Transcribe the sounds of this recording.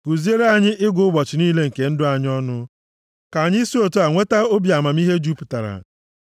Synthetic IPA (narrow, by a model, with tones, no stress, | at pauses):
ku˨zi˦e˦ɾe˦a˨ɲɪ˦ʔɪ˦ɡʷʊ˦ʊ˦bɔ˨t͡ʃɪ˨niː˦le˦ŋ̩˨ke˨n̩˦dʊ˦a˨ɲ˦ɔ˦nʊ˦ | ka˨ɲɪ˦si˦o˨to˦a˨ŋʷe˦ta˦o˦bja˨ma˨m˦i˦ɦe˦d͡ʒu˦pʊ˨ta̰˨ɾa̰˨